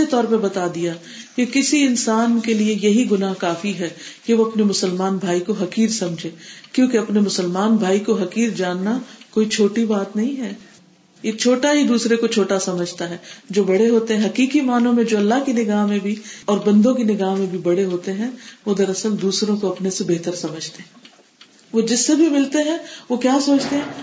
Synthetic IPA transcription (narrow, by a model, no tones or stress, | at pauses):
et̪ɔːɾpɐɾbɐt̪aːd̪ija | kekɪsiɪnsaːnkeliejɐɦiɡʊnaɦkaːfiɦɛːkeʋoɐpnemʊsəlmaːnbʱaːikoɦɐkiːɾsɐ̃md͡ʒʱeːkjõːkeɐpnemʊsəlmaːnbʱaːikoɦɐkiːɾd͡ʒaːnːakoːit͡ʃʰoːʈibaːt̪nɐɦĩɦɛː | jet͡ʃʰoːʈaɦid̪uːsɾekot͡ʃʰoːʈasɐməd͡ʒʱt̪aɦɛːd͡ʒoːbɐɽeɦoːt̪eɦɛ̃ɦɐkiːkimaːnõmẽd͡ʒoːɐlːaɦkinɪɡaːɦmẽbʱiɔːɾbɐ̃nd̪õk̬inɪɡaːɦmẽbʱibɐɽeɦoːt̪eɦɛ̃ʋod̪ɐɾɐsəld̪uːsɾõkoɐpnesebeːt̪əɾsɐməd͡ʒʱt̪eɦɛ̃ | ʋod͡ʒɪsːebʱimɪlt̪eɦɛ̃ʋokjaːsoːt͡ʃt̪eɦɛ̃ː